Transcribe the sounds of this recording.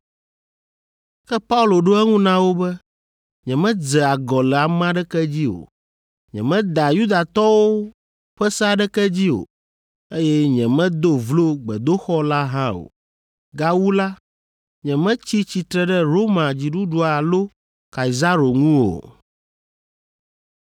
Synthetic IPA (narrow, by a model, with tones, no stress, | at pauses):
kɛ˦pa˦u˦lo˨ɖo˦ɛ˦ŋũ˦nã˦wo˦bɛ˦ | ɲɛ̃˨mɛ̃˦d͡zɛ˨a˨ɡɔ˨lɛ˨a˨m˦ã˦ɖɛ˦kɛ˦d͡ʑi˦o̰˨ | ɲɛ̰̃˨mɛ̃˦d̪a˨ju˦d̪a˨t̪ɔ˦wo˦ | ɸɛ˦sa˦ɖɛ˦kɛ˦d͡ʑi˦o̰˨ | e˦jɛ˦ɲɛ̃˨mɛ̃˦d̪o˦vlo˦ɡ͡bɛ˨d̪o˦xɔ˦la˦ɦã˦o̰˨ | ɡa˦wu˦la˦ | ɲɛ̃˨mɛ̃˦t͡ɕi˦t͡ɕi˨t̪ɾɛ˨ɖɛ˦ɾo˦mã˨d͡ʑi˨ɖu˦ɖu˨a˨lo˦ | ka˨i˨za˦ɾo˨ŋũ˦wo̰˨